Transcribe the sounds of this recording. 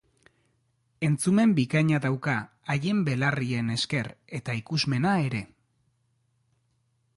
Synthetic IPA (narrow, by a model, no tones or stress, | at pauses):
e̞nt͡sume̞mbikaɲaðawkaː | je̞mbe̞larie̞ne̞ske̞re̞t̪aikuzme̞nae̞ɾe̞